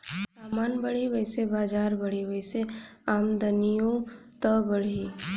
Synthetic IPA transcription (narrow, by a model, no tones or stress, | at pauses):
saːmaːnbɐɽ̤iʋəɦsebaːd͡ʒaːɾbɐɽ̤iʋəɪseaːmd̪ənijõt̪əbəɽ̤i